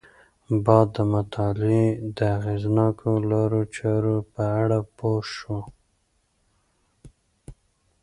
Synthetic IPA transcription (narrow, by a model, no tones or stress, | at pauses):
bɑd̪ːəmat̪ʰɑled̪əaɣeznɑkʰolɑɾot͡ʃɑɾopəaɽapoʃo